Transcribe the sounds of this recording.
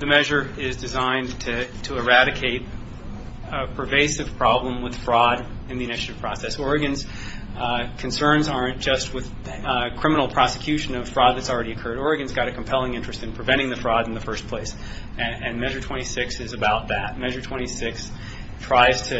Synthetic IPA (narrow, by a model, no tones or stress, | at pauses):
ðɨmɛʒə˞ɪzdɨzãɪ̃ntʰɨtʰɨː˞æɾɨkʰeɪɾ | əpʰɹ̥ɨveɪsɨv̥pʰɹ̥ɑblə̃mwɨð̥fɹɔɾ | ɨ̃nðiɨñɪʃɨɾɨv̥pʰɹ̥ɔsɛsɔɹɨɡɨ̃nz̥ | kʰɨ̃n̩sɜ̃˞nzɑɹɨ̃nd̥ʒ̥ʌst̚wɨð | kʰɹ̥ɪ̃mənl̩ˠpʰɹ̥ɑsɨkʰj̥ʉʃɨ̃nʌv̥fɹɔd̪̚ðɨtsl̩ˠɹɛɾiɨkʰɜ˞ɾɔɹɨɡɨ̃nzɡɑɾɨkʰm̩pʰɛlˠɪ̃ŋɪ̃nt͡ʃɹ̥ɨstɨ̃npʰɹ̥ɨvɛ̃ɾ̃ɪ̃ŋðɨfɹɔɾn̩ðɨfɜ˞spʰl̥eɪs | ɨ̃nmɛʒə˞tʰw̥ɛ̃ɾ̃isɪksɨzɨbaʊt̪̚ðɨt̚mɛʒə˞tʰw̥ɛ̃ɾ̃isɪks | tʰɹ̥aɪz̥tʰɨ